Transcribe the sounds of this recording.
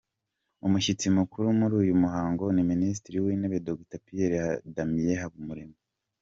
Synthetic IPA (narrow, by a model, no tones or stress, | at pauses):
umuçit͡simukuɾumuɾuːjumuɦaːŋɡo̞niminis̬tiɾiwineβe̞doɡtapieɾehadamije̞ɦaβumuɾeme